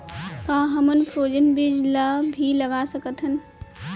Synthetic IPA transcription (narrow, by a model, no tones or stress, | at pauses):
t̪ãːɦɐmənpʰɾoːd͡ʒənbɪd͡ʒlabʱilɐɡaːsɐkət̪ɦən